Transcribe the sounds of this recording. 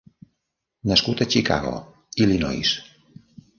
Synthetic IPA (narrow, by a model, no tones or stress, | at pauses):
nəskut̪ət͡ʃika̰ɣo̰ | ilinɔ̰js